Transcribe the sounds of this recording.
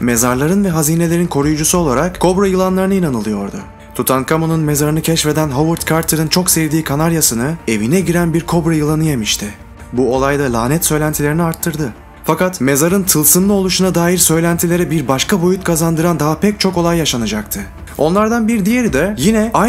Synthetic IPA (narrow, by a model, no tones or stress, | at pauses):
me̞zaɾlˠaɾɯnvɛɦaziːne̞lʲe̞ɾinkʰo̞ɾujud͡ʒusuo̞lˠaɾakkʰo̞bɾajɯlˠanlˠaɾɯnɯinanɯlˠɯjo̞ɾd̪ʊ̰ | t̪ʰut̪ʰankʰamonunme̞zaɾɯnɯcʰɛʃve̞d̪ænɦovɯɾt̪kʰaɾt̪ʰɯɾɯnt͡ʃʰo̞kseɾd̪iːkʰanaɾjasɯnɯe̞vinɛɟiɾænbiɾkʰo̞bɾajɯlˠanɯjemiʃt̪ʰɪ | buo̞lˠajd̪alʲˠaːnɛt̪sø̞jlʲænt̪ʰilʲe̞ɾiniaɾt̪ʰːɯɾd̪ɯ | fakat̪me̞zaɾɯnt̪ʰɯlˠsɯnlˠɯo̞lˠuʃunad̪aːjiɾsø̞jlʲænt̪ʰilʲe̞ɾɛbiɾbaʃkʰabo̞jut̪̚kʰazand̪ɯɾand̪aɦapʰɛc̚t͡ʃʰo̞ko̞lˠajːaʃanad͡ʒakt̪ʰɯ | o̞̰nlˠaɾd̪anbiɾd̪ijeɾid̪ɛjinɛa